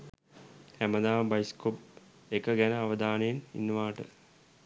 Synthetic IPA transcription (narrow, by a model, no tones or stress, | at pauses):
emɐd̪aːmbɐjskop | ekːɐɡenɐːʋɐd̪aːnijnḭnːumaːʈːɨ̰